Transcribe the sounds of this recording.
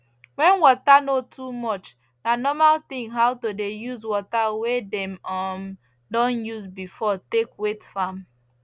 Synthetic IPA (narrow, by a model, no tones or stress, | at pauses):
wɛ̃nwɔtanotʰumɔt͡ʃ | danɔmalt̪ɪ̃ŋɦawtodejuzwɔtawedɛ̃mɔm | dɔ̃njuzbifɔtekwetfam